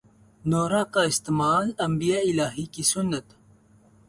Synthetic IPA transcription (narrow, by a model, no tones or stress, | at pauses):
noːɾaːkaɪst̪emaːlɐmbijaɪlaːɦikisʊnːɐt̪